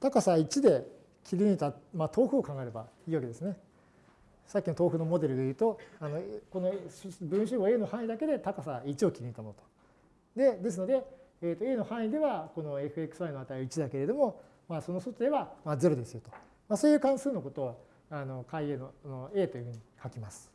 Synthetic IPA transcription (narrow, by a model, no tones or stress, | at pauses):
t̪akasait͡ɕid̪e̞ | kʲiɾʲiɲit̪amat̪ʰo̞ːɸɯ̟okãŋɡaeɾe̞baiːβake̞d̪e̞sɨne̞ | sakʲːino̞t̪o̞ːɸɯ̟no̞mo̞d̪e̞ɾɯ̟ɡ̪ejɯ̟ːt̪o̞ano̞ko̞nobɯ̃ɰ̃ɕ̬ɨmoe̞ːno̞hãɰ̃id̪ake̞d̪e̞t̪akasait͡ɕio̞kʲiɾʲiɲit̪amoɯ̟t̪o̥ | d̪e̞d̪e̞s̬ɨno̞d̪e̞ːt̪oe̞ːno̞hãɰ̃id̪e̞βako̞no̞e̞ɸɯ̟e̞kɯ̟̥sɨβainoat̪aioit͡ɕid̪ake̞ɾe̞d̪o̞mo̞ | maso̞no̞sot̪od̪e̞βamad͡ze̞ɾo̞d̪e̞sɨjot̪o̞ | masoːjɯ̟ːkãɰ̃sɨːno̞ko̞t̪o̞ | ano̞kaieːnonoe̞ːt̪ojɯ̟ɸɯ̟ɲ̟ikʰakʲimasɨ̥